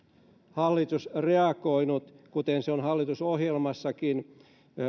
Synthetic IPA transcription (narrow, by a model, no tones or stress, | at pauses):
hɑlːit̪usreɑkoinut̪kut̪enseonhɑlːit̪usohjelmɑsːɑkin